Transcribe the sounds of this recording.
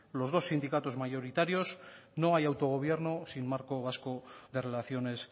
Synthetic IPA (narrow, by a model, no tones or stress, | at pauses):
lo̞zð̞o̞sːind̪ikat̪o̞zmaʝo̞ɾit̪aɾjo̞sno̞ajawt̪o̞ɣ̞o̞β̞je̞ɾno̞sinmaɾko̞β̞asko̞ðe̞re̞laθjo̞ne̞s